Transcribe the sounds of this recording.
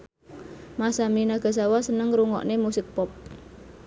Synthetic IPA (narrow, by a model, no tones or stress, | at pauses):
masaminaɡ̥a̤s̬awasənəŋɾuŋɔ̰ʔnemusɪk̚pɔp̚